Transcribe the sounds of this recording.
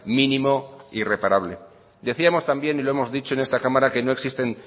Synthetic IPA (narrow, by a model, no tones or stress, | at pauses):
mĩnĩmo̞ire̞paɾaβ̞le̞ | d̪e̞θiamo̞st̪ambje̞nilo̞e̞mo̞zðit͡ʃo̞e̞ne̞st̪akamaɾake̞no̞e̞ksist̪e̞n